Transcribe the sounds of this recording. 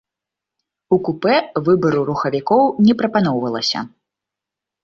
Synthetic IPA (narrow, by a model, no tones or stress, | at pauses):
ukupɛvɨbɐɾuɾuxɐvʲikɔwnʲɛpɾɐpanɔwvɐlˠɐsʲɐ̰